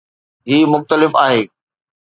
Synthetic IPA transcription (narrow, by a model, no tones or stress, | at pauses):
ɦiːmʊxt̪əlɪfaːɦeː